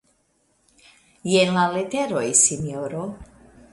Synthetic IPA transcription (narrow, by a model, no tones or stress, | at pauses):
jenlalet̪eɾojsinoɾo